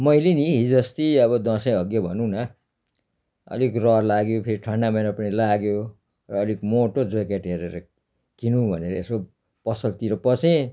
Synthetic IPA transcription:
mʌjliniɦid͡zʌst̪iʌbʌd̪ʌsʌjʌɡjʌbʱʌnuna | ʌ̰likrʌrlaɡjopʰeɾiʈʰʌɳɖamʌjnapʌnilaɡjo | rʌːlikmoʈod͡zokeʈɦeɾeɾʌ | kinubʱʌ̰neɾʌeso | pʌsʌlt̪iɾʌpʌt͡sẽ

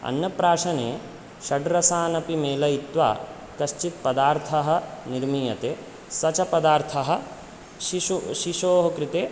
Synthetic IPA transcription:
ɐ̰njɐpɾaːʂɐneː | ʃɐɖɾɐsaːnɐpimeːlɐit̪ʋa̰ː | kɐʃt͡ʃit̪̚pɐd̪aːɾt̪ʰɐɦɐ̆niɾmiːjɐt̪eː | sɐt͡ʃɐpɐd̪aːɾt̪ʰɐɦɐ̆ | ʃiuʃiʃoːɦɐkɾit̪eː

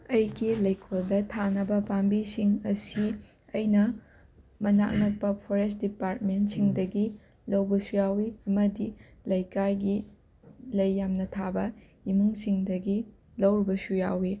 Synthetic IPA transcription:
ɐjɡilɐjkʰoldɐtʰanɐbɐpambisiŋɐsi | ɐjnɐ | mɐna̰ʔnɐk̚pɐpʰoɾest̚dipaɾt̚mentsiŋdɐɡi | lɐwbɐsujawiɐmɐdi | lɐjkajɡi | lɐjːamnɐtʰabɐ | imuŋsiŋdɐɡi | lɐwɾibɐsujawi

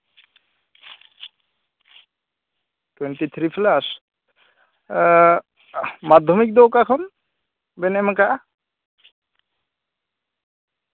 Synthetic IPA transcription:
t̪went̪it̪ʰɾifʰlas | mad̪ʱːɔmik̚d̪ɔkakʰɔn | bɛnɛməkaʔa

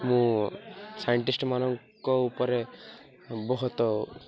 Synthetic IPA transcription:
mũ | sajɔɳʈisʈmanɔŋkɔupɔɾe | bɔɦut̪ɔ

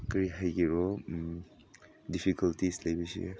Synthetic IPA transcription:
kɐɾiɦajɡiɾɔ | dipʰikɐltislɐjbisḭ

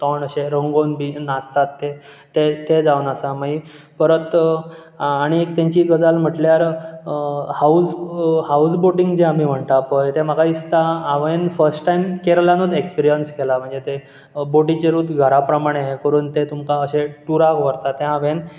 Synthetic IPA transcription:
t̪ɔɳəɕeɾəŋɡonbinast̪at̪ːe | t̪et̪ed͡zawunasamai | pəɾət̪ | aɽ̃iekt̪ãɲt͡ɕiːɡəd͡zalm̤əʈljaɾ | haushausboʈiŋɡd͡ʑeamiːm̤əɳt̪apəjt̪em̤əɡaist̪aːʋenfəɾsʈʈaimkeɾəlanod̪ekspiɾijənskelam̤əɳd͡zet̪e | boʈit͡ɕeɾuːt̪ɡʱəɾapɾəmaɽ̃eɦekəɾuːnt̪et̪umkaəɕeʈuɾakʋəɾt̪at̪ẽaʋen

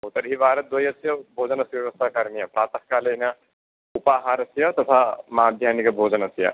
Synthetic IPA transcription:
ɦoːt̪ɐɾɦiʋaːɾɐd̪ʋɐjɐsjɐbʱoːd͡ʒɐnɐsʋjɐʋɐst̪ʰakaɾnijɐpɾaːt̪ɐhkaːlɐjna | upaːɦaːɾɐsjɐt̪ɐt̪ʰamɐaːd̪ʱjaːnikɐbʱoːd͡ʒɐnɐsjɐ̰

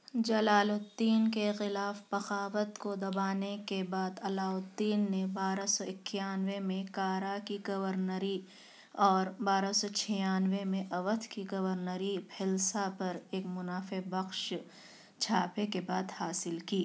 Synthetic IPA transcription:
d͡ʒɐlaːlʊt̪ːiːnkexɪlaːfbɐxaːʋət̪kod̪ɐbaːnekebaːd̪ɐlaːʊt̪ːiːnːebaːɾasɔɪkːjaːnʋemẽkaːɾakiɡɐʋəɾnəɾi | ɔːɾbaːɾasɔt͡ʃʰɛjaːnʋemẽʔɐʋət̪ʰkiɡɐʋəɾnəɾipʰɪlsapɐɾeːkmʊnaːfebɐxʃ | t͡ʃʰaːpekebaːd̪haːsɪlkiː

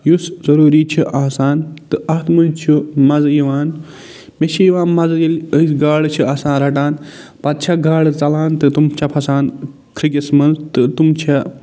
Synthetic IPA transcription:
juszɐɾuːɾiːt͡ʃʰiʔaːsaːntt̪ɨɐt̪mɐt͡ʃʰumɐzɐjiʋaːn | mʲet͡ʃʰijiʋaːnmɐzjiləsɡaːɽt͡ʃʰiaːsãːnɾɐʈaːnpɐt̪̚t͡ʃʰɐɡaːɽɨt͡sɐlaːnt̪ɨt̪umt͡ʃʰɐpʰɐsaːn | kʰɾiɡʲɐsmɐnzt̪ɨt̪umt͡ʃʰɐ

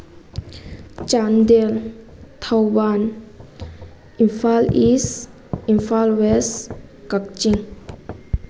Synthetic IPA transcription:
t͡ʃand̪el | t̪ʰawwan | infalis | ĩnfalwes | kak̚t͡ʃiŋ

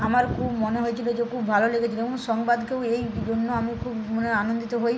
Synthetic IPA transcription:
amaɾkʰubmoneɦojet͡ɕʰilod͡ʑekʰubːʱaloleɡet͡ɕʰiloeboŋʃɔŋbad̪kewejd͡ʑonːoamikʰubmoneanond̪it̪oɦoj

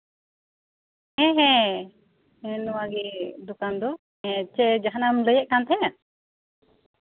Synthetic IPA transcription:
hɛ̃ɦɛ̃ | ɛnɔwaɡid̪ɔkand̪ɔ | ɛ̃t͡ʃɛd͡ʒaɦanamləjɛʔ̚kant̪ʰɛja

